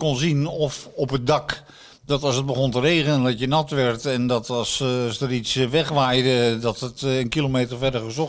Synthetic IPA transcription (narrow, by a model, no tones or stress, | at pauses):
konzinɔfɔpət̚dɑk | dɔtɑlˠsəd̚bəɣɔntəreːɣənəndɔtjənɑtʋɛɹtɛndɔtɑssdəritsʋɛχʋajdədɔtətənkilomeːtərfɛrdəɹχəzɔ